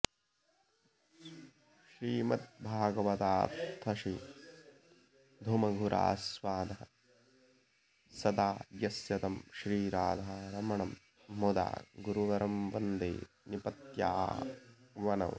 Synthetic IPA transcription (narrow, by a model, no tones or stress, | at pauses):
ʃɾiːmɐt̪̚bʱaːɡɐʋɐt̪aːɾt̪ʰːɐʃi | d̪ʱumɐɡʱuɾʔa̰ːsʋaːd̪ɐɦɐ | sɐd̪aːjɐsjɐt̪ɐmʃɾiːɾaːd̪ʱɐaɾɐmɐɳɐmː | od̪a̰ːɡuɾuʋɐɾɐmʋɐnd̪ḛː | nipɐt̪ja̰ː | ʋɐnɐ̰w